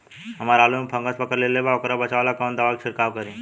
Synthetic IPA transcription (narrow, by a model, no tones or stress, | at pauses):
ɦɐmaːɾaːlumepʰɐ̃ŋɡəspɐkəɾleːlebaokɾabɐt͡ʃaʋalakɔːnd̪aʋakʃʰɪɾkaːwkəɾĩː